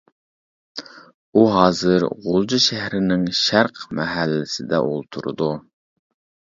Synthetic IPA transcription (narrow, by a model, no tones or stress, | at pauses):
uɦɑːzɨɾʁolˠd͡ʒuʃæhɾɪnɪŋʃæɾqmɛɦælːɪsɪd̪ɛ̰ʔolˠt̪ʰuɾṵd̪u